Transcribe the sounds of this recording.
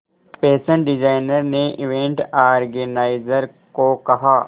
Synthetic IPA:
peːsə̃ɳʈɖɪd͡ʒaːɪnəɾneʔɪʋẽːɳʈaːɾɡənaːɪzəɾ | kokɐɦaː

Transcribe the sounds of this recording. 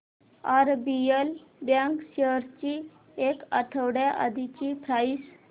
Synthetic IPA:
aɾbielbjãŋkɕeɾt͡ɕi | ekaʈʰəwɽjaʔa̰d̪ʱit͡ɕipɾais

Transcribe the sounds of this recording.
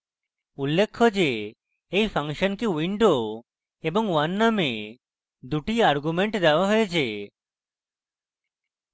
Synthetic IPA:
ulːekʰːod͡ʑe | ejpʰaŋʃonkewiɳɖo | eboŋwanːame | d̪uʈiaɾɡumeɳʈd̪eoaɦoet͡ɕʰe

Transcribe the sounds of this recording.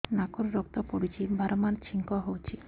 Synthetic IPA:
nakoɾɾɔk̚t̪ɔpoɽit͡ɕibʱaɾomaɾt͡ɕʰiŋkɔɦowt͡ɕʰi

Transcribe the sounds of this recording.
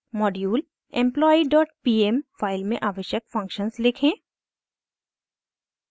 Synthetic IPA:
mɔːɖjuːl | ɛ̰̃mplɔːiɖɔːʈpiːemfaːɪlmẽʔaːʋəʃjək̚fɐ̃ŋkʃənslɪkʰẽː

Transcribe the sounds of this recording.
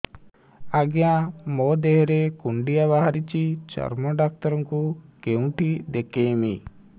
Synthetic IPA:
aɡɛjãmɔd̪eɦɾekuɳɖijaβaɦaɾit͡ʃit͡ʃɔ̰ɾmɔɖak̚t̪ɔɾɔŋkukew̃ʈid̪ɛkemḭ

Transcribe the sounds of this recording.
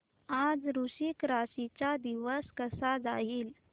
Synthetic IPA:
ad͡zɾuɕikɾaɕit͡ɕad̪iʋəskəsad͡zaiːl

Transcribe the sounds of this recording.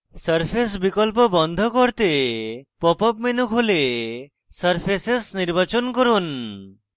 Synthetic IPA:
səɾpʰes̬bikɔlpɔbɔnd̪ʱɔkɔɾt̪epɔpɔpmenukʰɦole | səɾpʰesesniɾbat͡ʃɔnkɔɾun

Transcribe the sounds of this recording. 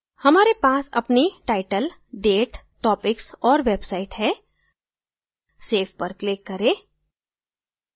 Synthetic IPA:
hɐmaːɾepaːsɐ̰pniʈaːɪʈəl | ɖeːʈʈɔːpɪksɔːɾʋeːbsaːɪʈɦɛ | seːfpɐɾklɪkːɐɾẽː

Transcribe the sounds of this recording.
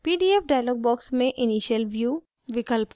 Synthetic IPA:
piːɖiːepɖaːjlɔːɡ̚bɔːksmẽʔɪniːʃəlʋjuː | ʋɪkəlp

